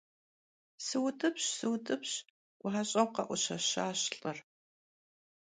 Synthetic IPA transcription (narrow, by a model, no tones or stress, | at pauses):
sɨwtʰʼɨpɕsɨwtʰʼɨpɕ | wʷaɕʼɐwqɐʔʷʊɕɐɕaːɕɬʼɐr